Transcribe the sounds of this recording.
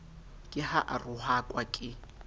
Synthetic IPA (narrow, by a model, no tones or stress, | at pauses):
kʼɪhaʔarʊhakʼwakʼɪ